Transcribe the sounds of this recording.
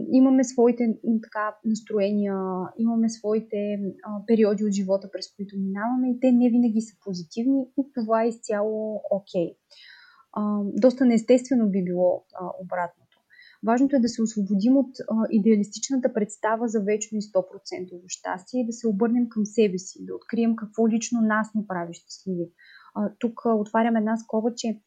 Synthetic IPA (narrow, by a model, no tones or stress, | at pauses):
imɐmɛsvɔit̪ɛt̪ɐ̥kanɐst̪ɾoɛnʲiəimɐmɛsvɔit̪ɛpɛɾiɔd̪iot̪ʒivɔt̪əpɾɛskoit̪ominavɐmɛit̪ɛnɛvinəɡʲisəpozit̪ivniit̪ovaɛst̪ʲjalˠookʲʰɛj | d̪ɔst̪ənɛst̪ɛst̪vɛnobibilˠɔobɾat̪not̪o | vaʒnot̪oɛd̪ɐsɛosvobod̪imot̪id̪ɛɐlist̪it͡ʃnət̪əpɾɛt̪st̪avəzɐvɛt͡ʃnoist̪ɔpɾot̪sɛnt̪ovoʃt̪a̰st̪iɛid̪ɐsɛobɤɾnɛmkəmsɛbɛsid̪ɐot̪kɾiɛmkɐkv̥ɔlit͡ʃnonasnɛpɾaviʃt̪i̥slʲivi | t̪ukot̪vaɾʲəmɛd̪naskɔbət͡ʃɛ